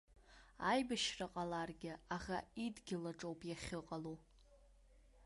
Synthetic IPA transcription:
ajbɨʃraqʼalarɡʲɪaχaidɡʲɪlaʈ͡ʂʼowpʼjaχʲɨqʼalu

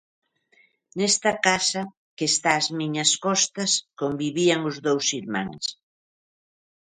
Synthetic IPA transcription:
nɛst̪ɐkasɐ | kest̪aːzmiɲɐskɔst̪ɐskombiβiɐŋʊzðowsiɾma̰ŋs

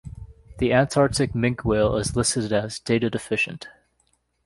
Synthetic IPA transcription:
ðiʔæ̃ntʰɑɹ̚tɨk̚mɪ̃ŋkʰweɪlˠɪ̰zlɪsɨɨɾɨzdeɪɾɨdɨfɪʃɨ̃nt

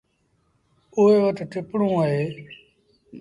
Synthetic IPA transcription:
oeːʋəʈʈʰɪpɽõːaɦeː

